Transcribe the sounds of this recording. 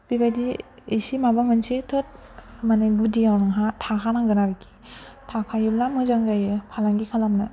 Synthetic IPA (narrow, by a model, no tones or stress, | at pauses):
bibajdi | isimabamɯnsitʰot̚maneɡudiawnɯŋɦatʰakʰanaɡɯnaɾɯkʰi̥tʰakʰajɯblamɯzaŋzajɯpʰalaŋɡikʰalamnɯ